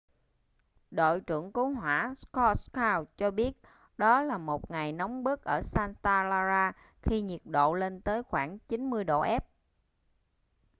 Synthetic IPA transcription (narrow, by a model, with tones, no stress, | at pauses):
ɗo̰˧˨jt͡ɕɨ̰˧˩əŋku˨˦ŋ͡mɦwaː˧˩skɔ˧kaː˧wt͡ɕɔ˧ɓi˦˥ət̚ | ɗɔ˨˦laː˨˩mo˨˩t̚ŋa˨˩jna˨˦wŋ͡mɓɨ˦˥ək̚ʔəː˧˩saː˧nt̪aː˧laː˧zaː˧ | xi˧ɲi˨˩ət̚ɗo̰˧˨le˧nt̪əː˨˦jxwaː˧˩ŋt͡ɕi˨˦nmɨ˧əjɗo̰˧˨ʔɛ˦˥p̚